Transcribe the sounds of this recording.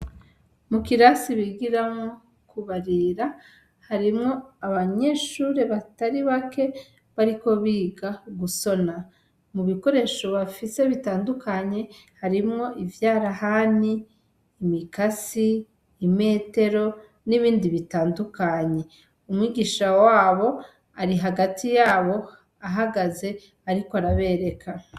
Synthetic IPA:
mukiɾasiβiɡiɾamo̞ | kuβaɾiɾa | haɾimŋo̞aβaɲe̞ʃuːɾe̞βataɾiβake̞ | βaɾiko̞βiːɡaɡuso̞na | muβiko̞ɾe̞ʃo̞βafise̞βitaːndukaɲe̞ | haɾimŋo̞ʔivjaːɾahaniː | mikasiː | me̞ːte̞ɾo̞ | niβiːndiβitaːndukaɲe̞ | umwiːɡiʃawaːβo̞ | aɾiɦaɡatijaːβo̞ | aɦaɡaze̞ | aɾikoaɾaβe̞ːɾe̞kʰa

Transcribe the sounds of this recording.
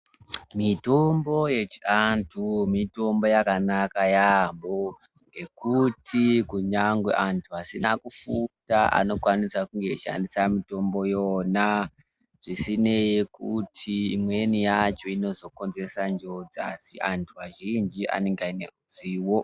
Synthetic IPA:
mito̞mbo̞je̞t͡ʃiantʰumito̞mbo̞jakanakajambo | ŋɡe̞kutʰikuɲaŋɡwḛʔantʰuasinakufutaʔa̰no̞kwanisakuŋɡeʃa̰ndisamito̞mbo̞jona | ʐ̥isine̞jikutʰiːmwenijat͡ʃo̞ino̞zo̞ko̞nze̞sand͡ʒo̞d͡ziasiʔantʰuaʒind͡ʒiʔa̰ne̞ŋɡainḛud͡ziːwo̞

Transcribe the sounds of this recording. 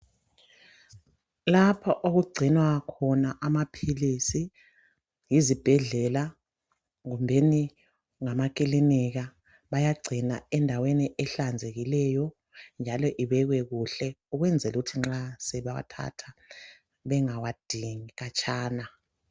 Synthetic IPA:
lapʰaʔoɣuɡ͡ǀʱinwakʰɔnaʔamapʰilisi | jizib̥ʱɛɮɛla | ɣumbʱeni | ŋamakʼiliniɣa | βajaɡ͡ǀʱina̰ɛndʱaweniʔɛɬand͡zʱeɣilɛjɔ | nd͡ʒʱalɔʔiβɛɣwɛɣuɬɛuɣwɛnd͡zʱɛluutʰiŋ͡ǁasɛβawa̰tʰa̰tʰa | βɛŋawad̥ʱiŋiɣat͡ʃʼʰaːna

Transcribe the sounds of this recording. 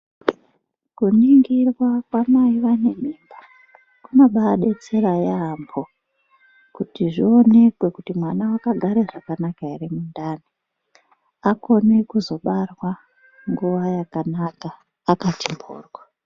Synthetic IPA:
kuniŋɡirwakwamaiʋane̞mimba | kunaɓaːɗe̞t͡se̞rajaːmbo | kutiʐio̞ne̞kwe̞kutimwanawakaɡʱaɾeʐakanakaerimundaːni | ako̞ne̞kuzo̞ɓarwa | ŋɡuʋajakanakaː | katimbo̰ːrwa

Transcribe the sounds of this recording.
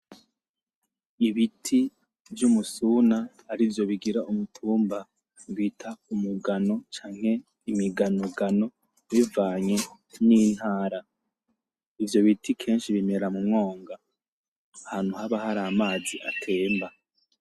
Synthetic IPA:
iβitʰi | vjumusunahːɾivjo̞βiɡiɾaʔumutʰuːmba | βitʰaumuɡano̞t͡ʃaːŋ̥he̞ | imiɡanuɡano̞ | βivaːɲe̞ | niːn̥haːɾa | ivjo̞βitʰikʰe̞ːnʃiβime̞ɾamumŋo̞ːŋɡaː | haːn̥huhaβahaɾamaːziʔa̰tʰe̞ːmba

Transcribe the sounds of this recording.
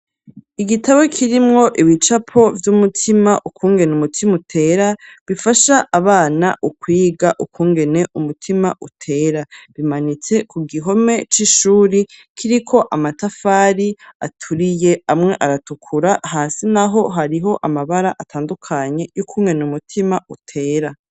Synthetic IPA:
iɡitaβokʰiɾimŋo̞ʔiβit͡ʃapʰo̞vjumutʰimaʔukʰuːŋɡe̞numutʰimutʰe̞ɾaβifaʃaʔːβaːna̰ʔukwiːɡaʔukʰuːŋɡe̞ne̞ʔumutʰima̰ʔutʰe̞ːɾaβimanit͡se̞kuɡiɦo̞me̞t͡ʃiʃuːɾikʰiɾikʰo̞ʔamatafaːɾia̰tʰuɾije̞amŋe̞ʔaɾatukʰuɾahaːsinaɦo̞ɦaɾiɦo̞ʔamaβaɾaʔatʰaːndukʰaɲe̞jukʰuːŋe̞numutʰimautʰe̞ːɾa

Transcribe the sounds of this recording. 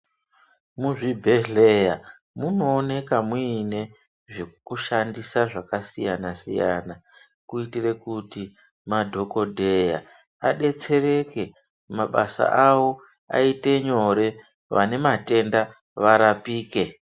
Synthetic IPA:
muʐibʱeɮeja | muno̞ːne̞kamuine̞ | ʐe̞kuʃandisaʐakasijanasḭja̰na | kuitire̞kuti | madʱo̞ko̞dʱe̞ja̰ | aɗe̞t͡se̞ɾe̞ke̞ | maɓa̰sa̰ʔawo̞ | a̰ite̞ɲo̞ɾe̞ | ʋa̰ne̞mate̞nda | ʋaɾapiːke̞

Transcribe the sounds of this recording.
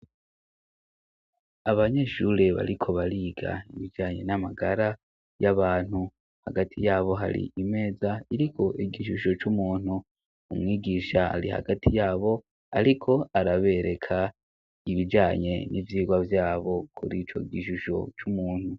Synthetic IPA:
aβaɲe̞ʃuɾe̞βa̰ɾikʰo̞βaɾiːɡa̰iβid͡ʒaːɲe̞̰namaɡaɾa | jaβaːn̥hu | haɡatʰijaːβo̞ɦa̰ɾḭʔime̞ːzaiɾikʰo̞ʔiɡiʃuʃo̞t͡ʃumuːn̥huː | mŋiːɡiʃaa̰ɾḭha̰ɡatʰijaːβo̞ | aɾikʰo̞aɾaβe̞ɾe̞kʰa | iβid͡ʒaːɲe̞nʔivjiːɡwavjaːβo̞kʰuɾiːt͡ʃo̞̰ɡiʃuʃo̞̰t͡ʃumuːnhu

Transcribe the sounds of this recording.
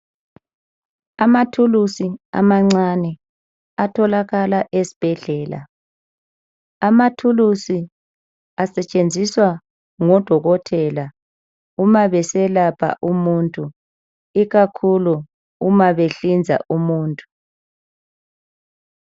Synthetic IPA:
amatʰulusia̰maŋ͡ǀanɛ | atʰɔlaɣalaʔesi̥b̥ʱɛɮɛːla̰ | amatʰulusi | asɛt͡ʃʼend͡zʱiswa | ŋɔd̥ʱɔɣɔtʰɛla | umaβɛsɛlapʰa̰ʔumuntʼu | iɣakʰuluː | maβeɬind͡zʱa̰ʔumuːntʼu̥

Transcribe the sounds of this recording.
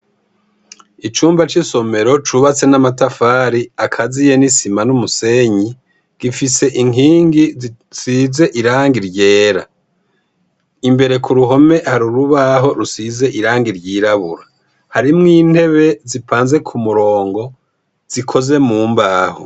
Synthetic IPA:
it͡ʃuːmbat͡ʃiso̞me̞ɾo̞t͡ʃuβat͡se̞namatafaːɾiakʰazijenisimanumuse̞ɲi | ɡ̥ifise̞ʔiŋiːŋɡi | size̞ʔiɾaːŋɡiɾɟe̞ːɾa̰ | imbe̞ɾe̞kʰuɾuɦo̞me̞haɾuɾuβaɦo̞ɾusize̞ʔiɾaːŋɡiɾɟiːɾaβuɾa | haɾimŋiːn̥he̞βe̞zipʰaːnze̞kʰumuɾo̞ːŋɡo̞ | z̥ikʰo̞ze̞muːmbaːho̰

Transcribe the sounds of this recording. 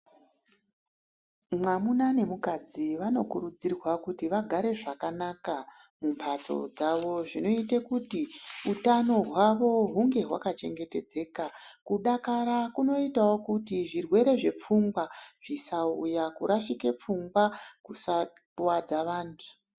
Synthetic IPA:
mwamunane̞mukad͡ziʋano̞kuɾud͡zirwakutiʋaɡʱaɾe̞ʐakanaka | mumpʰat͡so̞̰d͡zaʋo̞ʐino̞itekutiutano̞ɦwaʋo̞ɦuŋɡe̞ɦwakat͡ʃe̞ŋɡe̞te̞d͡ze̞ːkakuɗakaɾakuno̞itawo̞kutiʐirwe̞ɾe̞ʐe̞p͡fuŋɡwaʐ̥isaujakuɾʔaʃike̞p͡fuŋɡwakusa | wad͡zaʋaːntʰu̥

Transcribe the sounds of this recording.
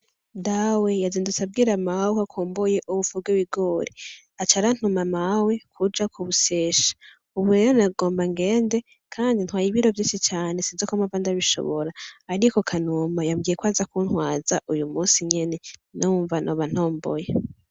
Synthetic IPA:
ndawe̞jaziːndut͡sab̚ɡiːɾamawokakʰoːmboje̞ʔuβufubɡwewiɡoːɾi | at͡ʃaɾan̥humamawe̞kʰud͡ʒakʰuβuseːʃḁ | uβuɾe̞ɾonaɡo̞ːmbaŋɡe̞ːnde̞ | kʰaːndin̥hwaːjiβiɾo̞vjiːnʃit͡ʃaːne̞sizokumavandaβiʃo̞̰βoɾaːɾikokʰanumajamɡijekwaːzakun̥hwaːzaʔujumuːsiɲe̞ne̞nuːɱvanʔoβan̥hoːmbo̰je

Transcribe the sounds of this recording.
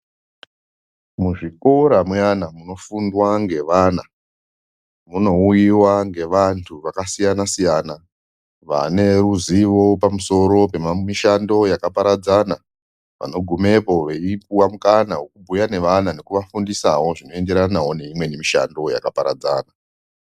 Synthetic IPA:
muʐiko̞ɾamwanamuno̞fundwaŋɡe̞ʋana | muno̞ujiwaŋɡe̞ʋantʰuʋakasijanasijaːna | ʋa̰ne̞ruziʋo̞pamuso̞ɾo̞pe̞mmiʃando̞jakapaɾad͡zana | ʋa̰no̞ɡʱume̞po̞ʋe̞ip̚uwamukanawekubʱujane̞ʋanane̞kuʋafundisa̰wo̞ʐino̞e̞nde̞ɾanawo̞ne̞imwe̞nemiʃa̰ndo̞ja̰kapaɾa̰d͡za̰ːna

